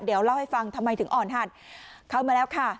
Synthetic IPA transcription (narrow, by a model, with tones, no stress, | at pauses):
diː˨˩˦əwla˥˧˩wha˥˩jfa˧ŋt̪ʰa˧mːa˧jt̪ʰɯ˩˦ʔɔː˨˩nɦaː˧˩t̪̚kʰa˧˩wmaː˧lɛː˦˥wkʰa˥˩